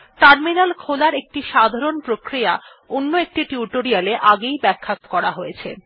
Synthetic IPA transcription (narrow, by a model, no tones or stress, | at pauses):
ʈaɾminalkʰolaɾek̚ʈiʃad̪ʱaɾonpɾokɾija | onːoek̚ʈiʈuuʈoɾialeʔaɡejbɛkʰːat̪kɔɾaɦojet͡ɕʰe